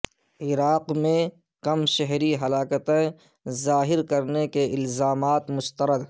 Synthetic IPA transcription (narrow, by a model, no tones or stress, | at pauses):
ɪɾaːqmẽ | kɐmʃɛɦɾiɦɐlaːkət̪ẽ | zaːɦɪɾkɐɾnekeʔɪlzaːmaːt̪mʊst̪əɾəd̪